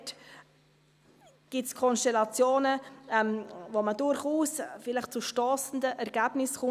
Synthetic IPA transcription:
t | ɡ̥ɪtskʰɔnʃtɛlɑt͡sjoːnəɛmvomədʊɾχuːsfɪləχt͡suʃtɔːsn̩dəʔɛɾɡæːb̥nɪsχʊ

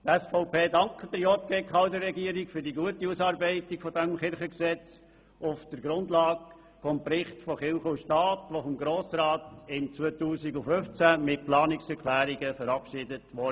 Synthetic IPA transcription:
tɛsfɔʊpʰeːdɑŋkχəd̥̪ɾjɔt̚ɡ̥ekχɑʊdəɾɛɡiəɾikfʏɾdiɡuətiusɑːɾbɛɪtɪɡ̥fɔdɛmχɪɾχəksɛt͡s | ʊfd̥əɾɡɾʊndlɑːɡ | fɔmpɾɪχtfɔχɪlχʊʃtɑːtʋofɔmɡɾoːsɾɑːtɪmt͡sʋœtuːsiɡʊføft͡sæmɪt̚plɑːnɪksɛɾkʰlæːɾiɡəfəɾɑpʃɪdətʋɔ

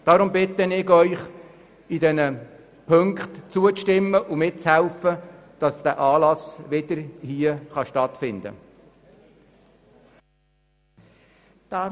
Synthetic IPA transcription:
d̥ɑːɾʊmbɪt̪ənɪɡœʏχ | idɛnə | pʰɵŋkχtt͡suət͡sʃtɪmːəʔʊmɪt͡shɛlfəd̥ɑsd̥̪æːʔɑːlɑsʋɪd̥̪əɾhiəχɑʃtɑt̪fɪnd̪ə̰ | d̪̥ɑ

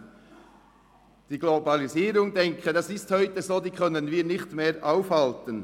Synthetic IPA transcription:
d̥iːɡlobɑliziːɾʊŋdɛŋkʰədɑsɪsthœʏtəzoːd̪iːkʰœnənviːɾnɪçtmeːɾʔaʊfhɑltən

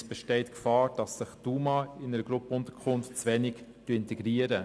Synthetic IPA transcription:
sb̥ɛʃtɛɪtkfɑːɾd̥ɑsːɪχd̥uːmɑɪnəɾəɡ̥ɾʊpəʊnt̪əɾkʰʊnftt͡sʋɛnɪɡtyøəɪntɛɡ̥ɾiəɾə

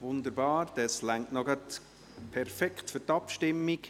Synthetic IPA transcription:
ʋʊnd̪əɾbɑːɾd̪̥ɑslæŋtnɔɡɑt̪ | pʰɛɾfɛkχtfʏɾtɑpʃtɪmːiɡ

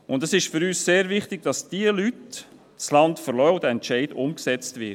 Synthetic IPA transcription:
ʊndəsɪʃfʏɾyːsseːɾvɪχtɪɡ̚d̥ɑsd̥iəlyt | t͡slɑntfəɾlœwd̥əɛntt͡ʃɛɪdʊmksɛt͡stvɪ

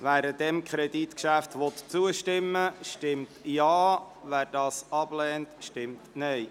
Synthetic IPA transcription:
ʋæːɾəd̥ɛmkʰɾɛditkʃæftʋɔt̪t͡suəʃtɪmːəʃtɪmtjɑː | ʋæːɾdɑːsɑb̥lɛːntʃtɪmtnɛɪ

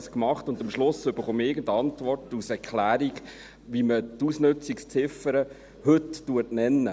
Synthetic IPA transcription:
skmɑχtʊndɑmʃlʊsːʏb̥əɾχoːməɪɡəntɑntvɔrtusɛɾkʰlæːɾiɡ | ʋimətusnɵt͡sikst͡sɪfəɾə | hɵtːuətnɛnːə

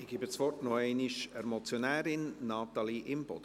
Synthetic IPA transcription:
ɪɡ̥ɪbəsʋɔrtnɔɛɪnɪʃɛɾmɔt͡sjonæːɾɪnːɑːt̪ɑliʔɪmb̥ɔ̰d̥

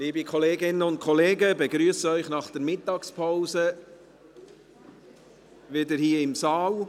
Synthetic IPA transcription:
liːbəkʰɔleːɡɪnəʊnt̚kʰɔleːɡəbɛɡɾyəsəœʏχnɑχd̥ɛɾmɪtːɑkspʰaʊzə | ʋɪdəɾhiːɪmsɑːl

